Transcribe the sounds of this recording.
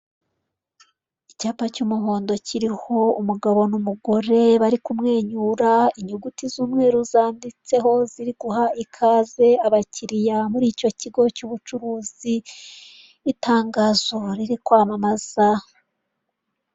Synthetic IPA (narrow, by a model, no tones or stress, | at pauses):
icaːpacuːmuɦo̞ːndo̞ciɾiho̞umuɡaβo̞numuɡo̞ɾe̞βaɾikumŋe̞ːɲuːɾaiɲuɡutizuːmŋe̞ːɾuzaːndit͡se̞ɦo̞ziɾiɡ̥uhaikʰaːze̞aβaciɾijamuɾiːco̞ciɡo̞cuːβut͡ʃuɾuːz̥iː | taːŋɡaːzo̞ɾiɾikwaːmamaz̥a